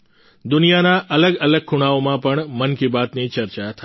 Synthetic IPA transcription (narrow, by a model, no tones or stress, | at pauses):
d̪ʊnijanaʔələɡələɡ̚kʰːʊɽ̃aomãpəɳmənkibat̪nit͡ʃəɾt͡ʃat̪ʰa